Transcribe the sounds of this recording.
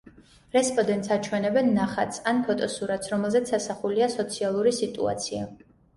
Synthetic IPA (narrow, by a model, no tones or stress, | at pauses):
ɾɛspʼɔd̪ɛnt̪sat͡ʃʰwɛnɛbɛnːaχat̪sanpʰɔt̪ʼɔsuɾat̪sɾɔmɛlˠzɛt̪sʰasaχuliasɔt̪sʰialˠuɾisit̪ʼṵa̰t̪sʰia̰